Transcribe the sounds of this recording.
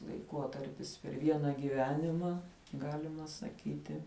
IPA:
lˠɐɪˈkoːtɐrʲpʲɪs pʲɛr ˈʋʲiɛnɐ ɡʲiːˈʋʲæːnʲɪmɐ ˈɡɑːlʲɪmɐ sɐˈkʲiːtʲɪ

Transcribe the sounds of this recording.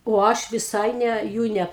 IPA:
oː ˈɐʃ ʋʲɪˈsɐɪ ˈnʲɛ ˈjuː nʲɛ

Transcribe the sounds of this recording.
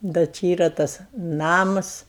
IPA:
dɐ ˈt͡ʃʲɪ ˈiːrɐ ˈtɐs ˈnɑːmɐs

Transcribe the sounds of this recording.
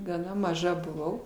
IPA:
ɡɐˈnɐ mɐˈʒɐ bʊˈʋɐʊ

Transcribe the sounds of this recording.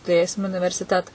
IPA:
tʊˈrʲeːsʲɪm ʊnʲɪʋʲɛrʲsʲɪˈtʲæːtɐ

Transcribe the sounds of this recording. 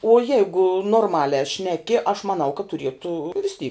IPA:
oː ˈjɛɪɡʊ noːrˈmɑːlʲæː ˈʃʲnʲæːkʲɪ ɐʃ mɐˈnɐʊ kɐt tʊˈrʲiɛtuː ʋʲɪs tʲiː

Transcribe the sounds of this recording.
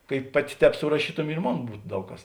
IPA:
kɐɪ ˈpɑːˌtʲɪ ˈtʲɛːp sʊrɐˈʃʲiːtʊmʲɪ ɪr ˈmoːn ˈbuːt ˈdɐʊk kɐs

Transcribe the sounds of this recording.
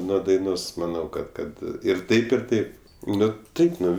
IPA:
ˈnuɔ dɐɪˈnoːs mɐˈnɐʊ ˈkɐt ˈkɐt ɪr ˈtɐɪp ɪr ˈtɐɪp ˈnʊ ˈtɐɪp ˈnʊ

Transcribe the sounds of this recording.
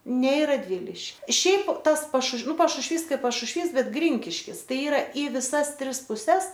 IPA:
nʲɛ ɪ rɐdʲˈʋʲɪlʲɪʃʲkʲɪ ˈʃʲɛɪp ˈtɐs pɐʃʊʃʋ ˈnʊ pɐʃʊʃʲˈʋʲiːs ˈkɐɪp pɐʃʊʃʲˈʋʲiːs ˈbʲɛt ˈɡrʲɪŋʲkʲɪʃʲkʲɪs ˈtɐɪ ˈiːrɐ ɪ ʋʲɪˈsɐs ˈtʲrʲɪs pʊˈsʲɛs

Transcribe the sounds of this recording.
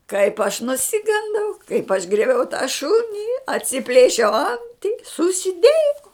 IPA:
kɐɪp ɐʃ nʊˈsʲɪɡɐndɐʊ kɐɪp ɐʃ ɡrʲiɛˈbʲɛʊ tɑː ˈʃʊnʲɪ ɐtʲsʲɪˈpʲlʲeːʃʲɛʊ ˈɐnʲtʲɪ sʊsʲɪˈdʲeːjɛʊ

